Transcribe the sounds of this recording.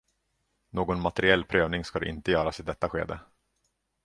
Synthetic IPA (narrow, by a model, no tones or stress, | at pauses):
noːɡɔnmat̪ɛɾɪɛlːpʰɾøːvnɪŋskad̪ɛ̰ʔɪ̰nt̪əjœːɾasɪd̪ɛt̪ːaɧḛːd̪ə